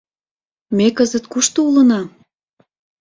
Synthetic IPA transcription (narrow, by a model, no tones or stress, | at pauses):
mekəzət̪kuʃt̪oulə̆nɑ